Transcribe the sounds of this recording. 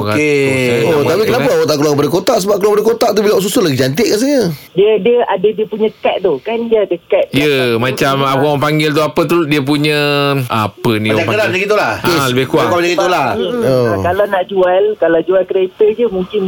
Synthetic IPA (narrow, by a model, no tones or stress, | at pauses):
okakeot̪apikənapaawaʔt̪aʔklaʔkəp̬adəkot̪aʔsəbap̚kəlakpadəkot̪aʔt̪̬ubilawaʔs̬usəlaɡid͡ʒant̪ɪʔ̚kans̬ajədiədiəʔadədiəpuɲə̃kɛt̪̚d̪ʊhkandiəadəkɛt̪̚jəmãt͡ʃamapaŋpaŋɡɪlt̪̬uapət̪udiəp̬uɲə̃ʔa̰pənĩaəlad͡ʒaɡit̪ulahkeləbɪhkuakad͡ʒɡit̪ulaokalawnaʔd͡ʒualkalawd͡ʒualkəɾet̪əd͡ʒəmũŋkɪn